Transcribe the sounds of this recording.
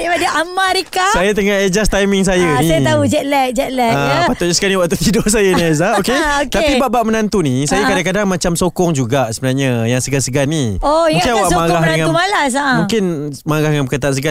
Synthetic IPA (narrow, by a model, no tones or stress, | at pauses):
adiʔamaɾikasajat̪əŋahed͡ʒast̪ajmiŋs̬ajənijt̪aud͡ʒɛt̪̚lɛk̚d͡ʒɛt̪̚lɛapat̪uʔɲasəkaniwaʔt̪ut̪idʊs̬ajanazaokeokt̪apibaʔbaʔmənant̪unisajakadaŋkadaŋmat͡ʃamsokɔŋd͡ʒuɡaʔsəbənarɲajaŋsəɡansəɡaniouŋkɪnawaʔmaɡaaŋamalas̬amũkɪn | məaɡahəŋampəkət̪ansəɡa